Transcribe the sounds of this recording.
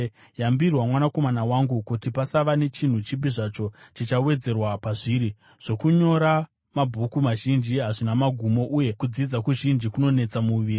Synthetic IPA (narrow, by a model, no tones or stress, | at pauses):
jambirwamwanako̞manawaŋɡukutipasaʋane̞t͡ʃin̤ut͡ʃibiʐat͡ʃo̞t͡ʃit͡ʃawe̞d͡ze̞rwapaʐiːɾi | ʐ̥o̞kuɲo̞ɾa | mabʱukumaʒind͡ʒiɦaʐinamaɡʱumo̞ʔuje̞kud͡zid͡zakuʒind͡ʒikuno̞ne̞t͡samuʋiːri